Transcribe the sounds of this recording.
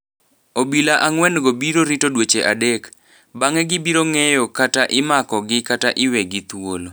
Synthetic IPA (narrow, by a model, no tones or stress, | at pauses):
obilaʔaŋwɛnɡobiɾoɾitodwet͡ʃeʔadek | baŋɛɡɪbiɾoŋɛjɔkataʔɪmakɔɡɪkataʔɪwɛɡɪt̪wolo